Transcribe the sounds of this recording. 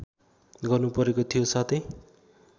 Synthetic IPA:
ɡʌrnupʌɾekot̪ʰijosat̪ʰʌj

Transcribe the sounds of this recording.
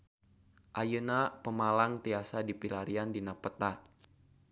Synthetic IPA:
ʔajənapəmalaŋt̪iasadipilaɾiandinapət̪a

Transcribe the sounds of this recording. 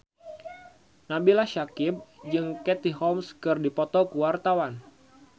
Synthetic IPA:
nabilahʃakɪb̚d͡ʒɨŋkɛt̪iɦɔmskɨrdipɔt̪ɔkuwart̪awan

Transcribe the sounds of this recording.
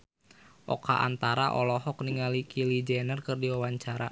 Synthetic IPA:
ʔɔ̰ka̰ʔa̰nt̪aɾaʔɔlɔhɔk̚niŋalikʰilid͡ʒɛnərkɨrdiwawaɲt͡ʃaɾa

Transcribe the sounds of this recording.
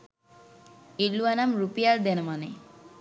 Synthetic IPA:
ilːuanamɾupijaɾd̪ɛnəmane

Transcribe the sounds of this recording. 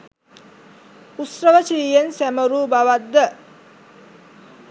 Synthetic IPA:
usɾəʋəsiːjensæməɾuːbaʋat̪d̪ə

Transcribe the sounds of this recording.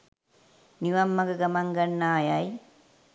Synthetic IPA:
niʋɐmːɐɡɐɡɐmaŋɡɐnːaːjaj

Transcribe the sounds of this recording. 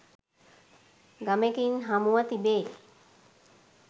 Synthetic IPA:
ɡamekinɦamuət̪ibeːl

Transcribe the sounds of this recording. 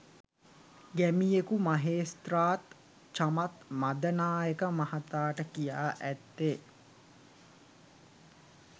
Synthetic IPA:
ɡæmijekumaɦeːst̪raːt̪ | t͡ʃamat̪mad̪ənaːjəkəmahat̪aːʈəkijaːʔæt̪ːe

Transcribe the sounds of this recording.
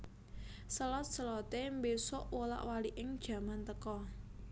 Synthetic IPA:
səlɔt̪̚səlɔt̪embesʊʔwola̰ʔwaliʔɪŋd̥ʒ̥ä̤mant̪əkɔ

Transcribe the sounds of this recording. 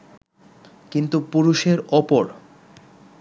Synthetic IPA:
kint̪upuɾuʃeɾɔpoɾ

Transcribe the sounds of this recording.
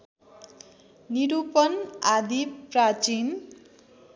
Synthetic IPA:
niɾupʌnad̪iprat͡sin

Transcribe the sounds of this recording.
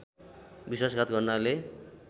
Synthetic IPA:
biswasɡat̪ɡʌrnale

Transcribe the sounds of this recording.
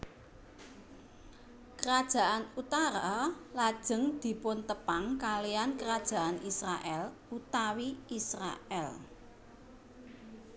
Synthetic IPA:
kəɾad̥ʒ̥a̤ʔanut̪aɾalad̥ʒ̥ə̤ŋd̪̥i̤pʊnt̪əpaŋkalijankəɾad̥ʒ̥a̤ʔanisɾaʔɛlut̪awiisɾa̰ʔɛl

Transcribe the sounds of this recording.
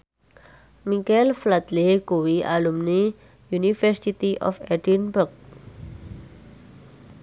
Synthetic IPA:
mikɛlflad̪leɡ̥owiʔalumni | junifərsit̪iʔɔ̰fɛdinbərɡ̚

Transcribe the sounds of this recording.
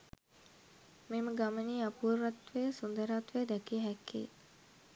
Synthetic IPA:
meməɡaməniːapuːɾʋat̪ʋejəsund̪əɾat̪ʋejəd̪ɛkiəɦɛkːḭː

